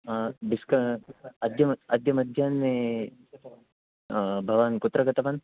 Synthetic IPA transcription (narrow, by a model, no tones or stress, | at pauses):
biskɐɐd̪jɐmɐd̪jɐmɐd̪ʱjaːnme | bʱɐʋaːnkut̪ːɾɐɡɐt̪ɐʋɐn